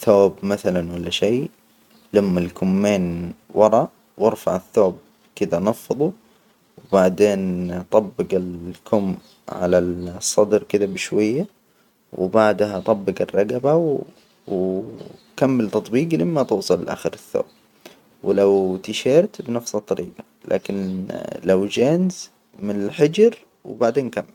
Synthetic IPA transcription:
θoːbmaθalanwalːaʃeː | lamːalkʰʊmːeːnwɑɾˤɑ | wɑɾˤfaʕɪθːoːb̚ | kɪd̪anɑfːɨðˤu | wbaʕd̪eːnt̪ˤɑbːɪɡɪlkʰʊmː | ʕa̰lasˤːɑd̪ɾkɪd̪abɪʃwajːa | wɪ̰baʕd̪hat̪ˤɑbːɪɡɪrˤːɑɡabaw | w | kamːɪlt̪ɑt̪ˤbiːɡlɪmːat̪uːsˤɑlʔa̰ːxɪɾɪθːo̰ːb̥̚ | wɪlawt̪ɪʃeːɾt̪bnafsɑt̪ˤːɑɾiːɡɑ | lʔa̰ːkɪnlawd͡ʒaːnz | mɪnɪlħɪd͡ʒɾ | wbaʕd̪eːnkamːɪl

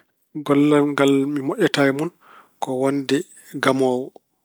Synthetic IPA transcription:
ɡɔlːanŋɡalmimɔʔʲɛtajmun | kɔwondɛ | ɡamɔːwɔ

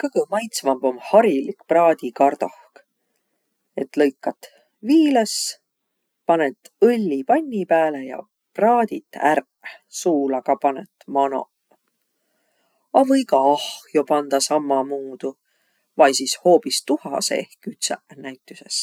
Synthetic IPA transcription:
kɤɡ̥əmɑjt̪svɑmbo̞mhɑɾilikprɑːd̪ikɑrd̪̥ohk | e̞t̪lɤjkːˑɑt̪ː | viːles | pɑnet̪ːɤlʲːipɑnʲːipæːlejɑ̰ | prɑːd̪it̪ːˑæ̰r | suːlɑkɑpɑnet̪ːˑmɑno̞̰ | ɑvɤjkɑɑhjo̞pɑnd̪̥ɑsɑmːɑmuːd̪̥u | vɑjsisho̞ːpist̪uhɑ̰sḛehkyt̪senæjt̪ːˑyse̞̰s

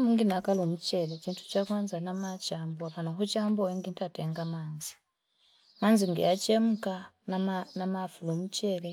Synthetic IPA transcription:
muŋɡinakalomut͡ʃelet͡ʃiːntʰu̥t͡ʃakwaːnzanamat͡ʃaːmboaβanaxut͡ʃamboeŋɡintʰateːŋɡamaːnzi̥ | manziŋɡḛat͡ʃemuka | nanamafulomut͡ʃele

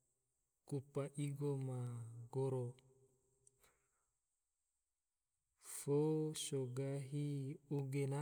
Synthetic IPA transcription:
kupaʔiɡomaɡoɾo | fosoɡaɦiuɡena

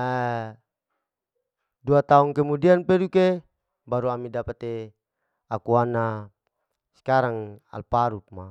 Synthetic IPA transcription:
ɛ | duat̪auŋkemudianpeduke | baɾuamidapat̪e | akuana | skaɾaŋa̰lpaɾup̚ma

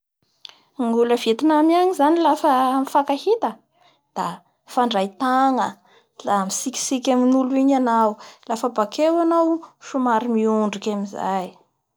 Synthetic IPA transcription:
ŋɡuləvet̪inamaɲizanilafəmifakahit̪ə | d̪̥a | faɳɖ͡ʐajt̪aŋə | lamisiki̥sikʲaminuluiɲanawlafəbakʰewanawʃumaɾimiuɳɖ͡ʐikʲamiza̰j

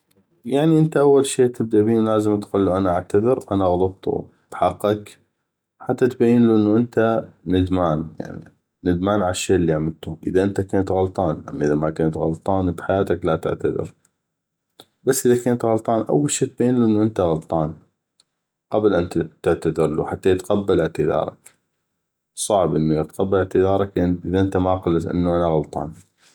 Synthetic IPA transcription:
jaʕniʔɪnt̪aʔawːalʃeːt̪ɪb̚d̪aʔbiːlaːzəmt̪quːlːuʔanaʔaʕt̪aðɪɾʔanaɣɑlɑt̪̚t̪ˤṵ | b̥ħɑqːɑk | ħat̪ːat̪bajːɪnluʔɪnːuʔɪnt̪anɪd̪maːnja̰ʕnḭː | ɪd̪maːnʕalaʃːeːʔlːiːaʕmɪlt̪uʔɪðaʔɪnt̪akaːnat̪ɣɑlt̪ˤɑːnʔa̰mːaʔɪðamakaːnt̪ɣɑlt̪ˤɑːnbħajaːt̪aklat̪ɪ̰ʕt̪aðɪ̰ɾ | basːʔɪðakaːnt̪ɣɑlt̪ˤɑːnʔa̰wːalʃeːt̪̚beːnluʔɪnːuʔənt̪aɣɑlt̪ˤɑːn | qɑblʔant̪at̪ɪʕt̪aðɪɾˤlṵːħat̪ːajt̪qabːalɪʕt̪ɪðɑ̰ːɾˤɑ̰k | sˤɑʕbʔənːajat̪qabːalɪʕt̪ɪðɑːɾˤɑkʔʔɪðaʔɪnt̪amaqɑlːasʔɪ̰nːuʔanaɣɑlt̪ˤɑ̰ːn

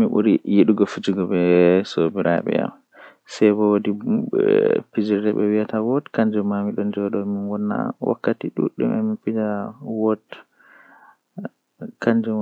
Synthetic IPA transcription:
miʔṵɾijiɗuɡɔfid͡ʒiɡɔbɛsobiɾʔa̰ɓɛ̰ja̰m | sɛjbɔwodi | pid͡ʒiɾdɛɓɛwiatawɔtkaɲd͡ʒumːamiɗɔnd͡ʒɔɗɔminwɔnːa̰wʔa̰kːatiɗṵɗṵmʔɛ̰minpid͡ʒawɔt | kand͡ʒu

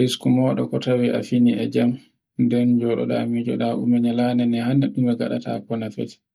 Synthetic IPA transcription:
iskumɔːɗɔkɔtawiʔa̰finiʔɛd͡ʒam | ndɛnd͡ʒɔɗɔ̰ɗa̰mid͡ʒɔ̰ɗaʔumɛɲalanɛnɛhanːaɗumɛɡaɗa̰tʰa̰pɔnafɛ̰tɛ̥

